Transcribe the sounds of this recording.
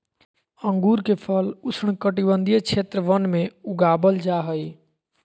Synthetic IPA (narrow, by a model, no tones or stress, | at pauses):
ə̃ŋɡuːɾkepʰəlusɳ̃kəʈibənd̪ʱijət͡ʃʰeːt̪ɾəʋənmẽuɡabəld͡ʒaɦəj